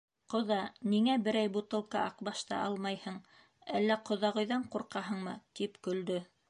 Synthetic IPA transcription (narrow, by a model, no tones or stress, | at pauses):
qŏðɑniŋæbɘ̆ɾæjbut̪ɤ̆lˠqɑʔɑqbɑʃt̪ɑ̰ʔɑlˠmɑjhɤɴ | ælːæqŏðɑʁɤ̆jðɑɴquɾqɑɦɤ̆ɴmɤ̰t̪ipkɵ̆ld̪ɵ